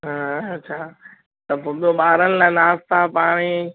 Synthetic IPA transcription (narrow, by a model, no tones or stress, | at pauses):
ɦãːɐtːɕʰaː | t̪ɐpʊ̃bõɓaːɾənɪ̆laːnaːst̪ãpaːɽ̃e